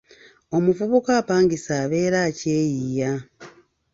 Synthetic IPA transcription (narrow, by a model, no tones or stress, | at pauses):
o̞muvuβukaːpaːŋɡisaːβe̞ːɾaːceːjija